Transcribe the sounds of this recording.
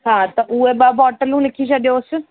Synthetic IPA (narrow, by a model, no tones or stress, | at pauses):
ɦãːt̪ɐʔueɓaːbɔːʈəlũːlɪkʰit͡ʃɐɗjos